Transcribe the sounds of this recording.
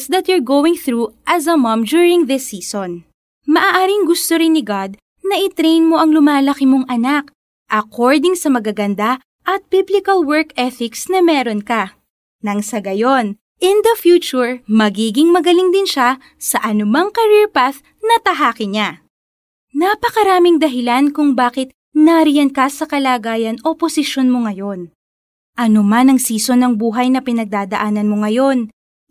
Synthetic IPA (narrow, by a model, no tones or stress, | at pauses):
sd̪ɐt̪juɹɡowɪŋθɾuʔɐzɐmɐ̃md͡ʒuɹɪ̃ŋðɪsiːson | mɐʔaːʔaːɾɪŋɡʊst̪oɾɪnːɪɡad̪̚ | nɐʔɪt̪ɾejnmo̞ʔɐŋlʊmaːlɐkɪmoŋʔɐnak | ʔɐkoɹd̪ɪŋsɐmɐɡaɡɐnd̪a | ʔɐt̪̚biblɪkɐlwɛɹkɛθɪksnɐmɛːɾonkɐ | nɐŋsɐɡɐjo̞n | ʔɪnd̪ɐfjuːt͡ʃʊɹmɐɡiːɡɪŋmɐɡɐlɪŋd̪ɪnʃa | sɐʔɐnʊmɐŋkɐɾiɹpaθ | nɐt̪ɐɦaːkɪɲa | napɐkɐɾaːmɪŋd̪ɐɦɪlankʊŋbaːkɪt̪̚ | nɐɾɪjɐnkɐsɐkɐlaːɡaːjɐnʔoposɪʃo̞nmoŋɐjo̞n | ʔɐnomanɐŋsiːso̞nɐŋbuːɦɐjnɐpɪnɐɡ̚d̪aːd̪ɐʔaːnɐnmo̞ŋɐjo̞n